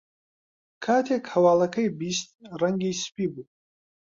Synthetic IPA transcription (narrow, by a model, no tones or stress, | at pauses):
kʰaːt̪ʰekʰawaːlɐkʰɐjbistʼraŋɡispʰʼibu